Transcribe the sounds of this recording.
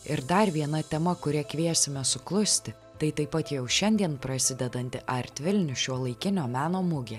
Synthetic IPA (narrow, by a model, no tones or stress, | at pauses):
ɪɾd̪ɐɾʋʲiɛnɐt̪ʲɛmɐkʊɾʲɛkʋʲiɛsʲɪmʲɛsʊklˠʊsʲt̪ʲɪ | t̪ɐɪt̪ɐɪpɐt̪jɛʊʃʲɛnʲd̪ʲiɛnpɾɐsʲɪd̪ʲɛd̪ɐnʲt̪ʲɪʔɐɾʲt̪ʲʋʲɪlʲnʲʊʃʲuɔlˠɐɪkʲɪnʲoːmʲæːnoːmʊɡʲe